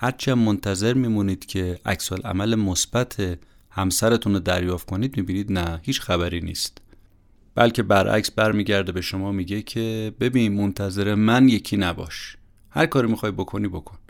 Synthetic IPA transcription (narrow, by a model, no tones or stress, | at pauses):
hæɾt͡ʃʰiæmːont̪ʰæze̞ɾmiːmuniːd̪̥cʰe̞æ̰csolʔæ̰mælemosb̥æt̪ʰe | hæmsæɾe̞t̪ʰunod̪æɾjɒːft̪̚kʰoniːd̪mibiːniːd̪næhiːt͡ʃxæβæɾiːnḭːst̪ | b̥æ̰lcʰe̞bæɾʔæ̰csbæɾmiːɟæɾd̪e̞beʃo̞mɒːmiɟe̞cʰe̞be̞biːnmont̪ʰæze̞ɾemænje̞cʰiːnæbɒ̰ːʃ | hæ̰ɾkɒːɾimixɒːjbo̞kʰo̞niːbo̞kʰoni